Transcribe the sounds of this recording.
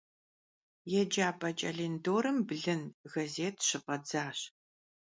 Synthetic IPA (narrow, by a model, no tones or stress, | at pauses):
jɛd͡ʒaːpʼɐt͡ʃʼɐɮeːndoːɾɨmbɮɨnɣɐzeːtʰɕɨqʼɐd͡zaːɕ